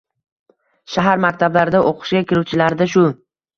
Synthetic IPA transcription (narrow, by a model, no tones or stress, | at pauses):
ʃaɦaɾmak̚ʲt̪ʰablaɾɪd̪aʔoqʰɨ̥ʃɡʲakʲʰɪɾuwt͡ʃʰɪlaɾd̪aʃ̬ʊ